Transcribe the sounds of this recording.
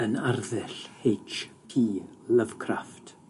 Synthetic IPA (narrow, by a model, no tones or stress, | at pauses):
ənarðɪɬhejt͡ʃkʰiːləv̥kʰraft